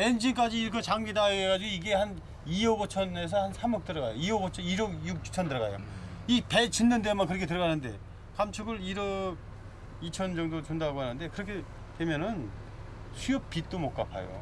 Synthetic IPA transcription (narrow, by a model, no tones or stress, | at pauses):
e̞nd͡ʑink͈ad͡ʑiːɾkʰʌt͡ɕaŋɡidaeeɡad͡ʑiɡoiɡe̞han | iʌɡot͡ɕʰʌne̞s̬ʰʌhansʰamʌk̚t͈ɯɾʌɡa̰joiʌɡot͡ɕʰʌiɾʌɡjuk̚t͡ɕʰu̥t͡ɕʰʌndɯɾʌɣa̰jo̰ipe̞t͡ɕinːɯndemankɯɾʌkʰet̬ɯɾʌɡanɯnde̞̰ | kamt͡ɕʰuɡɯɾiɾʌ | it͡ɕʰʌnd͡ʑʌŋdot͡ɕundaɡoɦanɯnde̞kɯɾʌkʰe̞ | twe̞mjʌnɯn | sʰiʌp̚p͈it͈omok͈apʰa̰jo̰